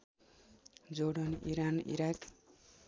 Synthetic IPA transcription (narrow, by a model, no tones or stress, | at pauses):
d͡zoɽʌnḭɾanḭɾak